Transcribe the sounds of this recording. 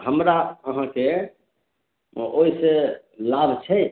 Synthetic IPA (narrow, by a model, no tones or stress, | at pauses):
ɦəmɾaəɦãke | oise | labʱt͡ʃʰɛ